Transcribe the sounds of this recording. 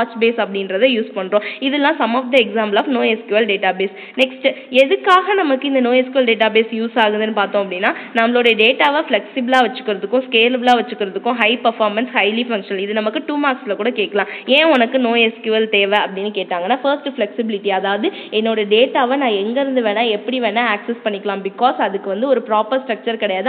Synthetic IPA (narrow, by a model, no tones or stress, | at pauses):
aːt͡ʃbeːsɐpːɐɽɪnɾɐðɯjuːspɐɳːɾõːɪðɛlːãːsɐmaːfd̪ɐɛksaːmplaːfnoːɛskjuʋɐlɖeːʈaːbeːs | nɛksʈɛðɯkːaːɣɐnɐmɐkːɯɪnd̪ɐnoːɛskjʊʋɐlɖeːʈ̬aːbeːsjuːsaːɣɯnd̪ɯnːɯpaːɾt̪õːɐpːɐɽɪnːaːnɐmːɐɭoːɽɐjɐɖeːʈaːʋɐflɛksɪbɐlaːʋɐt͡ʃːɯ̥kːɯɾɐðɯkːʊ̃skeːlblaːʋɐt͡ʃːɯkːɯɾɐðɯkːʊ̃ɦɐɪpɐɾfaːɾmɐnshɐɪlifɐŋkʂɐnɐlɪðɯnɐmɐkːɯʈuːmaːksɪlɐkuːɽɐkeːʈkːɐlãːẽːɔnɐkːɯnoːɛskjʋɐlt̪eːʋɛɐpːɐɽɪnːɯkeːʈːaːŋɡɐnːaːfɐɾsʈɯflɛksɪbɪlɪʈːiɐðaːʋɐðɯ | ɛnːoːɽɐɐɖeːʈaːʋɐnãːɛŋɡɐɪɾɯnd̪ɯʋeːɽãːɛpːɐɽiʋeːnãːksɛspɐɳːɪkːɐlãːbɪkaːsɐðɯkːɯʋɐnd̪ɯɔɾɯpɪɾaːpːɐɾsʈɾɐk̚t͡ʃɐɾkɪɽɐjaːð